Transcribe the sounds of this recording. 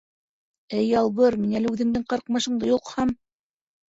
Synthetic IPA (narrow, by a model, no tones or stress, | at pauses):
ɘjːɑlˠβɤɾminælɘʉðɘ̆ŋd̪ɘŋqɑɾqmɑʃɤ̆ɴd̪ɤjulqhɑm